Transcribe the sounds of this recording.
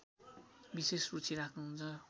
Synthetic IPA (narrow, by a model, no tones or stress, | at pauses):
bisesrut͡sʰiɾakʰnuɦunt͡sʰʌ